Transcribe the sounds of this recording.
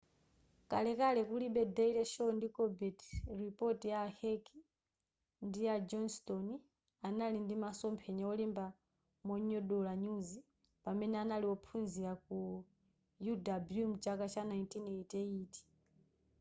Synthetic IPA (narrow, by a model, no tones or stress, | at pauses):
kalɛkalɛkuliɓɛdɛiɾɛʃɔndikɔbɛtripɔtijaːhɛkʰi | ndijad͡ʒɔnstɔni | analindimasɔmpʰɛɲaɔlimba | mɔɲɔɗɔlaɲuzi | pamɛnɛanaliwɔpʰunziɾak̚u | judabjumt͡ʃakat͡ʃʰanajntinetɛiːti̥